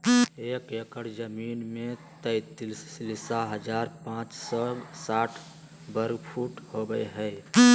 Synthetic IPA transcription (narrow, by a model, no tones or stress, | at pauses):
eːkekəɾd͡ʒəmiːnmẽt̪əɪt̪lslɪsaɦəd͡ʒaːɾpãːt͡ʃsɔsaːʈʰ | bəɾɡpʰuːʈhoɡəjɦɛ